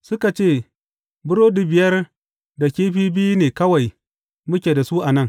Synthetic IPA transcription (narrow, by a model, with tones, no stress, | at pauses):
sʊ˦ka˨t͡ʃeː˦˨ | bʊ˦ɾoː˦di˨bɪ˨jɐ˦r | da˨kʲeː˦ɸiː˦bɪ˦ji˦neː˨kɐ˦wa˨j | mʊ˦kʲeː˨da˨su˦ʔa˨nɐ˦ŋ